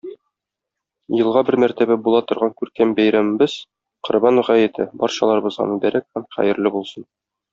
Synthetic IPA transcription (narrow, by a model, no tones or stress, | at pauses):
jɤ̆lˠʁɑbɘɾmæɾt̪æbæbulˠɑt̪ŏɾʁɑŋkʉɾkæmbæjɾæmɘ̆bɘz̥ | qŏɾbɑnʁæjɘ̆t̪ʰɘbɒɾɕɑlˠɑɾɤ̆bɤ̆zʁɑ̰mʉdb̪æɾæk̚hæmχæ̰jɘ̆ɾlɘbulˠsɤn